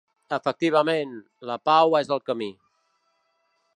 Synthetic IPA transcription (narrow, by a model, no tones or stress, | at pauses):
əfək̚t̪iβ̞əmẽn | ləpawɛzəlˠkəmi